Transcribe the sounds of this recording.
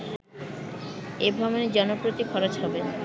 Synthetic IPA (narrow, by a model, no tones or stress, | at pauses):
ebʱɔboned͡ʑɔnopɾot̪ikʰɔɾot͡ɕɦɔbe